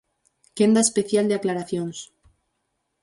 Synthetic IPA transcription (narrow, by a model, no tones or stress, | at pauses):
kend̪aespeθjald̪eaklaɾaθjons